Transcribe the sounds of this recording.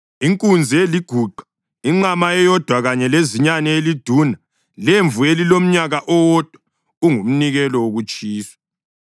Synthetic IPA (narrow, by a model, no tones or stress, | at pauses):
iŋkʼund͡zʱieliɡ̥ʱuǃʱḁ | iŋ͡ǁamaɛjɔd̥ʱwaɣaɲɛleziɲanɛelid̥ʱuna | leɱvuelilom̩ɲaɣaʔɔwɔd̥ʱwa | uŋum̩niɣɛlɔwoɣut͡ʃʼiːswḁ